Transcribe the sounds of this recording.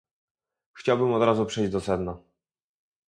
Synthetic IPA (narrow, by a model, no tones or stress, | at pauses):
xt͡ɕawbɘmɔd̪ɾazupʂɛjʑd͡ʑd̪ɔsɛd̪na